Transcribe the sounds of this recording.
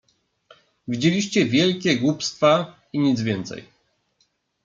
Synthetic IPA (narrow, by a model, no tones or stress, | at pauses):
vʲid͡ʑelʲiɕt͡ɕɛvʲjɛlkʲɛɡwupst̪fa | iɲid̪zvʲjɛnt̪sɛ̰j